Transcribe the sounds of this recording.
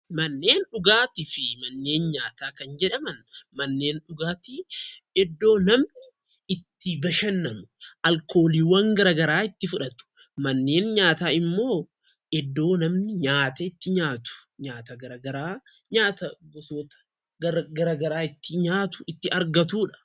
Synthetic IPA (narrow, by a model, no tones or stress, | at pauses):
mɐnːeːnᶑʊɡaːt̪ɪfɪmɐnːe̞ːnɲaːt̪aːkɐnd͡ʒɛᶑɐmɐnmɐnːe̞ːnᶑʊɡaːt̪ɪɛd̪ːo̞ːnɐmnɪ | ɪt̪ːɪbɐʃɐnːɐmʊʔɐlkʰo̞ːliːwɐŋɡɐɾaːɡɐɾaːɪt̪ːɪfʊᶑɐt̪ʊ̥ | mɐnːe̞ːnɲaːt̪aːɪmːo̞ː | ʔɛd̪ːo̞ːnɐmnɪɲaːt̪ɐɪt̪ːɪɲaːt̪ʊ̥ɲaːt̪ɐɡɐɾɐɡɐɾaː | ɲaːt̪ɐɡɔsoːt̪ɐ̥ | ɐɡɐɾaːɡɐɾaːɪt̪ːɪɲaːt̪ʊ̥ʔɪt̪ːɪʔɐɾɡɐt̪uːᶑɐ̥